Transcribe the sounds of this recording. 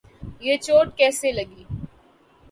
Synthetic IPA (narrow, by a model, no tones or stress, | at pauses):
jeːt͡ʃoːʈkɛːselɐɡiː